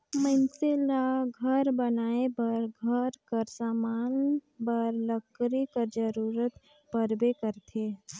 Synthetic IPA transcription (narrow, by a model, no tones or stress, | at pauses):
məɪnselaɡʱəɾbənaːebəɾɡʱəɾkəɾsaːmanbəɾləkɾikəɾd͡ʒəɾuɾət̪ | pəɾbekəɾt̪ʰe